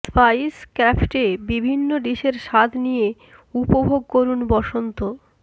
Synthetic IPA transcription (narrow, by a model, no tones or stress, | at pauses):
spajskɾafʈebibʱinːoɖ̪iʃeɾʃad̪ʰʱnije | upobʱoɡ̚koɾunbɔʃont̪o